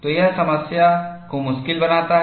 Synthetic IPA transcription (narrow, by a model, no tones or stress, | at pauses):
t̪ojasɐməsjakomʊʃkɪlbɐnaːt̪aɦ